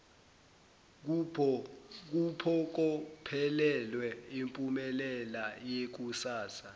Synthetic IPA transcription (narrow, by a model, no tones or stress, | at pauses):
k̬upʰɔk̬ɔpʰɛlɛlwɛimpʼumɛlɛlajek̬usaːsa